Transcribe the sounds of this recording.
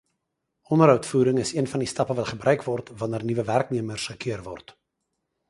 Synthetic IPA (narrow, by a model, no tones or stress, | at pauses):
ɔnəɾɦœɥtfuːɾəŋəsiənfɑndistɐpəvɐtχəbrœɥkvɔrtvɐnərnivəværkniəmərsχəkiərvɔ̰rt